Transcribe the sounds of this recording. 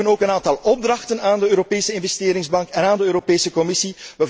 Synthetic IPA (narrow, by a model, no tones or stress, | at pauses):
ənoːkənaːntɑlˠɔb̚drɑxtənaːndəøːɾopeːsəɪnvɛsteːɾɪŋzbɑŋkɛnaːndəøːɾopeːsəkɔmɪsiʋə